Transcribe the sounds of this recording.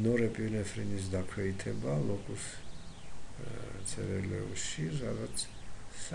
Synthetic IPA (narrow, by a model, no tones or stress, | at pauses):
nɔɾɛpʼinɛfɾinis̬d̪akʰwɛit̪ʰɛbalˠɔkʼus | t̪sʰɛɾɛlɛ̰ʃiɾadat̪sʰː